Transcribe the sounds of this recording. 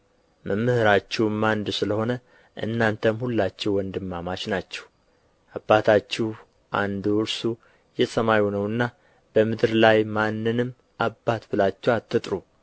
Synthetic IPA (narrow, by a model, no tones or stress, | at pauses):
mʔəmːɨhɨɾat͡ʃːɛwmːand̪sɨləho̞nə | ʔɨ̰nːant̪ʰəmhulːat͡ʃːɛwɔnd̪ɨmːamat͡ʃnat͡ʃːɛ̥w | ʔabːat̪ʰat͡ʃːɛh | ʔa̰nd̪uɨɾsu | jɛsəmajunəwɨnːa | b̥əmɨd̪ɨɾlajmanːɨnɨm | ʔabːat̪bɨlat͡ʃːɛwat̪ːɨt̪ʼɾu